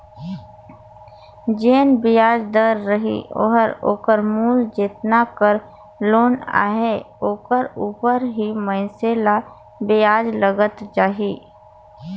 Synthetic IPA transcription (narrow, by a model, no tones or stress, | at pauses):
d͡ʒeːnbɪjaːd͡ʒd̪əɾːəɦḭo̰ːɦəɾo̰ːkəɾmuːld͡ʒeːt̪nakəɾ | loːna̰ːɦe | oːkəɾuːpəɾɦimə̃ɪsela | bɪjaːd͡ʒləɡət̪d͡ʒaːɦiː